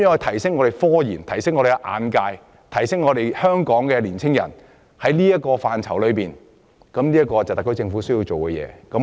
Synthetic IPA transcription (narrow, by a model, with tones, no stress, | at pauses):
jœː˨˥ɔ˧jt̪ʰɐ˨˩jsɪ˥ŋɔː˨˧e˨˩jfɔː˥jiː˨˩nt̪ʰɐ˨˩jsɪ˥ŋːɔː˨˧ɾe˨˩kɛ˧ʔa̰ː˨˧nkaː˧j | t̪ʰɐ˨˩jsɪ˥ŋɔː˨˧ɾe˨jhœː˥ŋkɔː˨˥ŋkɛː˧liː˨˩nt͡sʰɪ˥ŋjɐ̰˨˩n | hɐ˨˥jliː˥jɐ˥kːɔː˧faː˨nt͡sʰɐ˨˩wlɵ˨˧piː˨n | kɐ˨˥mli˥ɐ˥kɔː˧t͡sɐ˨˩wt̪ɐ˨k̚t̪ːt͡sɪ˧ŋfuː˨˥sɵ˥ji˧wt͡so˨wkɛ˧jɛ̰ː˨˧kɐ˨˥m